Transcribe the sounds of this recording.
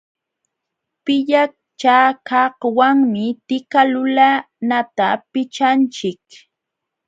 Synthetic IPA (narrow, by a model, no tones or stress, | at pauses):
pɪʎak̚ | t͡ʃaːkahwaŋmɪt̪ɪkalʊla | nat̪apɪt͡ʃant͡ʃɪk